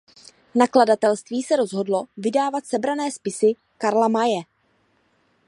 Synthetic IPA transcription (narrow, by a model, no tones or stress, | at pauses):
nakladat̪ɛlst̪viːsɛɾo̞zɦo̞dlovɪdaːvat̪sɛbɾanɛːspɪsɪ | kaɾlamajɛ